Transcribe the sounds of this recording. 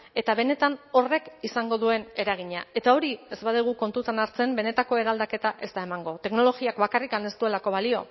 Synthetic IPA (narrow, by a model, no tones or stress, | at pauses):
e̞t̪aβe̞ne̞t̪ano̞re̞kisaŋɡo̞ðue̞ne̞ɾaɣ̞iɲae̞t̪ao̞ɾie̞zbaðuɣ̞uko̞nt̪ut̪anaɾt͡se̞mbe̞ne̞t̪ako̞e̞ɾald̪ake̞t̪aʔe̞st̪ae̞maŋɡo̞t̪e̞kno̞lo̞ɣiakbakarikane̞st̪ue̞lako̞β̞alio̞̰